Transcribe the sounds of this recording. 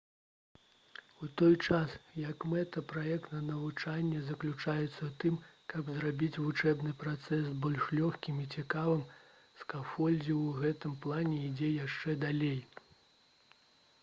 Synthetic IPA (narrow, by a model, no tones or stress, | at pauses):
ut̪ɔjt͡ʂasjɐkmɛt̪ɐpɾajɛkt̪nɐnɐvut͡ʂanʲːɛzɐklʲut͡ʂajɛt̪sːɐt̪ɨmkɐbzɾabʲit͡sʲvut͡ʂɛbnɨpɾat̪sɛsbɔlʲʂlʲɔxkʲimit͡sʲikavɨm | skafɔlʲd͡zʲiwɣɛt̪ɨmplˠanʲɛid͡zʲɛjaʂt͡ʂɛd̪alʲej